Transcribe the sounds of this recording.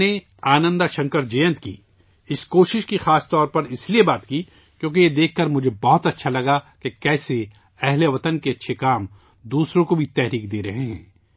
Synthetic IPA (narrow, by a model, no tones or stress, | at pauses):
e | aːnə̃nd̪aʃɐ̃ŋkəɾd͡ʒɐjə̃nt̪kḭː | ɪskoːʃɪʃkixaːst̪ɔːɾpɐɾɪsliebaːt̪kiː | kjõːk̬ejed̪eːkʰːɐɾmʊd͡ʒʱebɔɦʊt̪ɐtːʃʰalɐɡakekɛːse | ɛɦleʋɐt̪ənkeɐtːʃʰekaːm | d̪uːsɾõkobʱit̪ɛɦɾiːkd̪eːɾɐɦeɦɛ̰̃ː